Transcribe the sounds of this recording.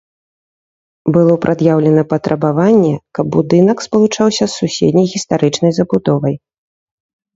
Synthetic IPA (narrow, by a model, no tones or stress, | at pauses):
bɨlˠɔpɾʔad̪jawlʲɛnɐpɐt̪ɾʔɐbavanʲːɛkɐb̚ːud̪ɨnɐkspɐlˠut͡ʂawsʲɐsːusʲḛd̪ʲnʲɐjɣʲist̪aɾɨt͡ʂnɐjzɐbud̪ɔvɐj